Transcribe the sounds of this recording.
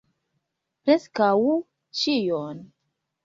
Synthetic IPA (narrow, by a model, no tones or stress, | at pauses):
pɾeskaw | t͡ʃijon